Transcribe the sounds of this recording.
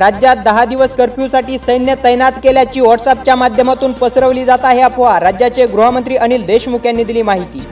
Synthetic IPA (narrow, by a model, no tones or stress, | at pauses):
ɾad͡ʑjat̪̚d̪əɦad̪iʋəskəɾpjusaʈiːsəjnjət̪əjnat̪keljat͡ɕiːʋɔʈsap̚t͡ɕjamad̪ʱjəmat̪uːnpəsɾəʋliːd͡zat̪aɦeapʰʋaɾad͡ʑjat͡ɕeɡɾuɦəmənt̪ɾiːʔəñiːld̪eɕmukʰjanːiːd̪iliːmaɦit̪iː